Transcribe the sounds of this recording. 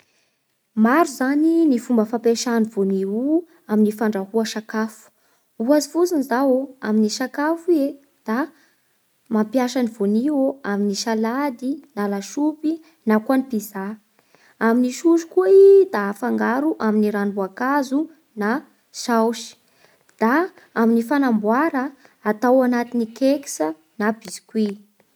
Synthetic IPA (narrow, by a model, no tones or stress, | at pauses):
maɾuzaninifumbəfampeʃanivoniu | aminifaɳɖ͡ʐahuaʃakafu̥ | uazifut͡sinizaoaminiʃakafie | d̪̥a | mampjaʃaniv̥onioaminiʃalad̪inalaʃupi | nakuanipiza | aminiʃuʃu̥kuaid̪afaŋɡaɾuʔaminiɾanbuakazu | na | ʃawʃi̥ | d̪̥a | aminifanambwaɾəː | t̪awanat̪inikeki̥sə | nabizi̥kwi